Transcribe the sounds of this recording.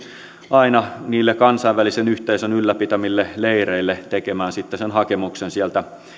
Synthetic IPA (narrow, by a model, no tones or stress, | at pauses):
ʔɑinɑniːlːekɑnsɑiʋʋælisenyht̪eisønylːæpit̪æmilːeleireilːet̪ekemæːnsit̪ːesenhɑkemuksensiælt̪æ